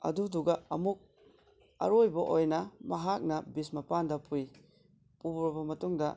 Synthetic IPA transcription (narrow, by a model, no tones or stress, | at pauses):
ɐ̰duduɡɐɐmuk̚ | ɐ̰ɾojbɐʔojnɐmɐɦak̚nɐbismɐpandɐpuj | pubɾɔbɐmɐtuŋdɐ